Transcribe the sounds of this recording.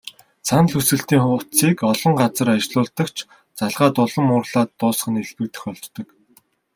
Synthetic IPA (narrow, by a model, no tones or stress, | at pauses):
t͡sʰanɮɵsɘ̆ɬt̪iːŋχʊt͡siːkɔɮɞ̆ŋɢat͡sə̆rat͡ɕɮʊːɮt̪ə̆kt͡ɕʰ | t͡saɮʁaːt̪ʊɮɞ̆mʊːrɮaːt̪ːʊːsχə̆neɮpɘ̆k̚t̪ɘ̆xœɮt͡ɕ̪ːɞ̆k